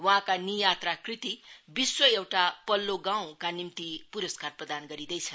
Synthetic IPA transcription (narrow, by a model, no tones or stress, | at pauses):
wʌɦãkanijat̪rakrit̪ibiswʌewʈapʌlːoɡãw̃kanimt̪ipuɾʌskarprʌd̪anɡʌɾid̪ʌjt͡sʰʌ